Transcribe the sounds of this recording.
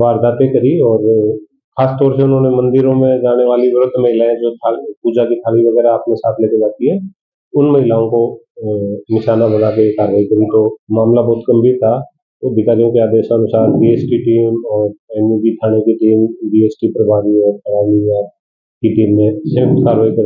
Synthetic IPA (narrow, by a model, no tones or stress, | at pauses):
ʋaːɾd̪aːt̪ekɐɾiɔːɾ | xaːst̪ɔːɾseʊnɦõːnemɐ̃nd̪ɪɾõmẽd͡ʒaːneʋaːliʋɾʊd̪ʱmɐɦɪlaːɛ̃d͡ʒok̪ʰaːlpuːd͡ʒakik̪ʰaːliʋɐɡɛːɾaaːpnẽsaːt̪ʰleːked͡ʒaːt̪iɦɛ | ʊnmɐɦɪlaːõko | nɪʃaːnabɐnakekaːɾʋaːikɐɾĩt̪omaːmlabɔːt̪kɐmbʱit̪ʰa | t̪obɪkaːɾijõkeaːd̪eːʃaɐnʊsaːɾɖiːeːsʈiʈiːmɔːɾɛːnjuɡiʈ̪ʰaːɽ̃ekiʈiːmɖiːeːsʈipɾɐbʱaːɾiɔːɾpɐɾaːniaː | kiʈiːmːẽsẽːkt̪kaːɾʋaːikɐɾ